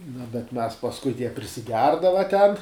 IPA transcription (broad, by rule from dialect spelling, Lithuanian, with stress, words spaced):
nʊ bʲɛt mʲɛs pɐsˈkʊɪ jiɛ pʲrʲɪsʲɪˈɡʲɛrdɐʋɐ tʲɛn